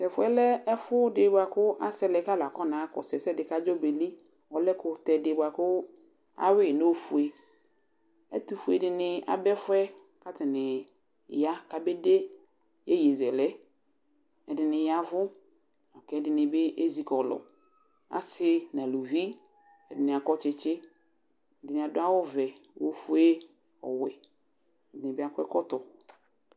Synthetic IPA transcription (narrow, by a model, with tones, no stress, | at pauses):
tɛ˨fʊ˦ɛ˦lɛ˦ɛ˦fʊ˦dɪ˨bʷʊ˨a˨kʊ˦ʔa˦sɛ˦lɛ˨ka˦la˨kɔ˦nã˨˦kɔ̰˨sɛ˨sɛ˦dɪ˨ka˦d͡ʒɔ˦be˨li˦ | ɔ˨lɛ˦kʊ˨tɛ˨dɪ˨ba˨kʊ˦ | a̰˦wɪ˦˨no˦fu˨e˨ | ɛ̰˦tu˨fu˨ɛ˨dɪ˨nɪ˨a̰˨bɛ˦fʊ˦ɛ˦ | ka˦tɪ˨nɪ˨ | ja˦ka˨be˦de˦ | jɛ˦je˨zɛ˨lɛ˦ | ɛ˨dɪ˨nɪ˨ja˦vʊ˦ | ɔ˨kɛ˦dɪ˨˦nɪ˨bɪ˦ʔe˦zi˨kɔ˨lɔ̰˨ | a̰˨sɪ˦nã˨lu˨vi˦ | ɛ˨dɪ˨nɪ˨a˨kɔ˦t͡ʃɪ˦t͡ʃɪ˦ | ɛ˨dɪ˨nɪ̃˨a˨dʊ˦a˦wɔ˦vɛ˨wo˦fu˦e˦ | ɔ̰˨wɛ˨ | ɛ˨dɪ˨nɪ˨bɪ˦a˨kɛ˦kɔ˦tɔ˨